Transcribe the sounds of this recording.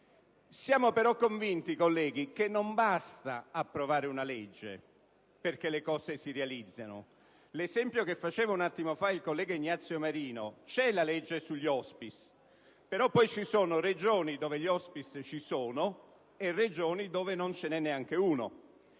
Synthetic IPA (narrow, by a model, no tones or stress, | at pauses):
sjaːmopeɾɔkːoɱvint̪ikolːɛːɡik̟enːombast̪aapːɾovaːɾɪunalɛd͡ʒːḛ | perk̟elekɔːsesirealid̪zːano̰ | lezɛmpjokefːat͡ʃɛːvaunat̪ːimofailkolːɛːɡaiɲːat̪sjomaɾiːnot͡ʃɛlalɛd͡ʒːesuʎːiɔspis | peɾɔpːɔjt͡ʃisoːnored͡ʒoːnid̪oːveʎiɔspist͡ʃisoːno | ered͡ʒoːnid̪oːvenont͡ʃenɛnːeaŋk̟euːno̰